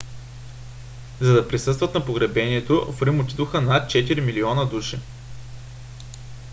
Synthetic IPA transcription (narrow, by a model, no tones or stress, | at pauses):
zɐd̪ɐpɾisɤst̪vɐt̪nɐpoɡɾɛbɛniɛt̪ofɾimot̪it̪oxənat̪̚t͡ʃɛt̪iɾimiliɔnəd̪uʃi